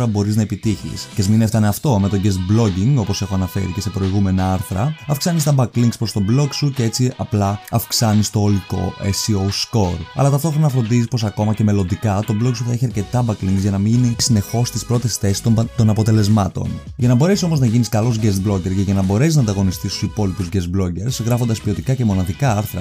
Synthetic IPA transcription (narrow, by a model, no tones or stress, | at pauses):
ɾɐbo̞ɾiznɐepit̪içḭscezmineft̪ɐneɐft̪o̞me̞t̪oɟest̪blo̞ɟiŋɡo̞pose̞xo̞ɐnɐfe̞̰ɾice̞se̞pɾo̞iɣume̞nɐɐɾθɾɐɐfksɐnis̬t̪ɐbɐkliŋɡspɾo̞st̪oblo̞ksuceet͡siɐplɐɐfksɐnist̪o̞oliko̞̰ʔesiosko̞ɾɐ̰lɐt̪ɐft̪o̞xɾonɐfɾo̞nd̪izispo̞sɐko̞mɐce̞me̞lo̞nd̪ikɐt̪o̞bloksuθɐe̞çiɐɾce̞t̪ɐbɐkliŋɡzʝɐnɐmiʝinisine̞xo̞st̪ispɾot̪esθe̞si̥st̪ot̪o̞nɐpo̞t̪e̞le̞zmɐt̪o̞̰nʝɐnɐbo̞ɾe̞siso̞moznɐʝiniskɐlo̞zʝest̪̚blo̞ce̞ɾʝeʝɐnɐbo̞ɾesisznɐnd̪ɐɣo̞nist̪ist̪u̥sipo̞lipuzʝes̚blo̞ɟe̞ɾsɣɾɐfond̪ɐspio̞t̪ikɐce̞mo̞nɐðikɐɐɾθɾɐ̰